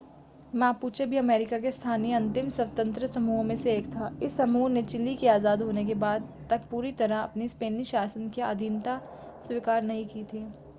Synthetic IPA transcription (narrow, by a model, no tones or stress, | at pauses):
mɛ̃puːt͡ʃʰebʱiɐmɛːɾɪkak̬est̪ʰaːniəɐ̃nt̪ɪmsɐwt̪ə̃nt̪ɾəsɐmuːɦmẽseːkt̪ʰaɪsːɐmuːnẽt͡ʃɪlːikiaːzaːd̪ɦoːnek̬ebaːd̪t̪ɐk̚puːɾit̪ɐɾaɐ̰pnispeːniʃaːsənkea̰ːd̪ʱint̪a | swikaːɾnɐɦĩkit̪ʰiː